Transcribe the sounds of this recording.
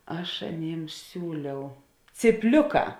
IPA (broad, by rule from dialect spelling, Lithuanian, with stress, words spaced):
ˈɐʃ ɐˈnʲeːms ˈsʲuːlʲɛʊ t͡sʲiːpʲˈlʲʊˌkɑː